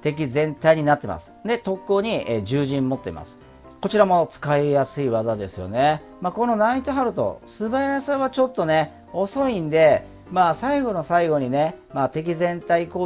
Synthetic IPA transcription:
t̪e̞k̬ʲizẽ̞nt̪aiɲ̟inat̪ːe̞̰mʔa̰sɨ̥d̪e̞t̪o̞kːoːɲ̟ieʑɨːʑĩmːo̞t̪ːe̞̰ḭma̰sɨ̥ | ko̞t͡ɕiɾamo̞t͡sɨ̥kaijasɨiβazad̪e̞sɨjo̞̰ne̞ | maːko̞no̞nait̪oɦaɾɯ̟t̪o̞̰sɨbajasaβat͡ɕo̞t̪ːo̞ne̞ | o̞so̞ĩnd̪e̞ | maːsaiɡo̞no̞saiɡo̞ɲ̟ine̞ | maːt̪e̞k̬ʲizẽ̞nt̪aikoː

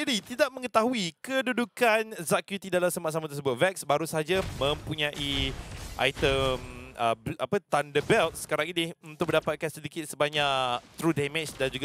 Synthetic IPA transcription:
d͡ʒadit̪idaʔ̚mə̃ŋət̪aɦuikədudukanzaʔkjut̪idalamsəmaʔs̬amat̪ərs̬əbʊt̪̚vɛk̚sbaɾusəɦad͡ʒamə̃mpuɲãʔiʔa̰jt̪əmə̰apət̪andəbɛlt̪̚sə̥kaɾaŋinɪunt̪ʊk̚mə̃ndapat̪̚kansədikɪt̪̚səbaɲaʔt̪ɾudamet͡ʃdand͡ʒuɡa

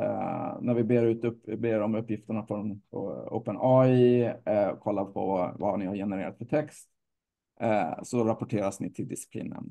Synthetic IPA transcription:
næɾvɪbeːɾʉ̟ːt̪ɵpbeːɾɔmɵpːjɪft̪əɳafɾɔno̰ːpənɔj | kʰɔlːapʰɔ̰vvanɪhaɾjɛnəɾḛːɾat̪fœʈʰɛkst̪ | sɔɾapʊʈʰeːɾasnɪt̪ʰɪld̪ɪsɪ̥pʰlḭːnə̰n

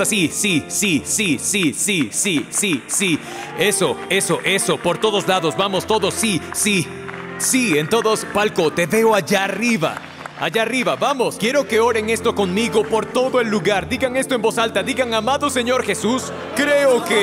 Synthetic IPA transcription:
asisisisisisisisisi | e̞soe̞so̞ʔe̞so̞po̞ɾt̪o̞ðo̞zlaðo̞zbamo̞st̪o̞ðo̞sːisi | sient̪o̞ðo̞spalkot̪e̞βe̞oaʝariβa̰ | aʝariβaβamo̞skje̞ɾo̞ke̞o̞ɾe̞ŋe̞st̪o̞ko̞ŋmiɣo̞po̞ɾt̪o̞ðoe̞lːuɣaɾd̪iɣaŋe̞st̪oembo̞salt̪aðiɣaŋamaðose̞ɲo̞ɾxe̞sus | kɾeoke

